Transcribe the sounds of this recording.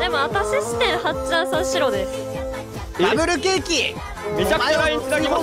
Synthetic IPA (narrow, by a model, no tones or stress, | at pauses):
d̪e̞mo̞at̪aɕiɕi̥t̪ẽɰ̃hat͡ɕãɰ̃sãɕiɾo̞d̪esɨ̥ | aɡɯ̟ɾɯ̟ke̞ːkʲi | me̞t͡ɕakɯt͡ɕɾaĩɲt͡st̪aɾʲima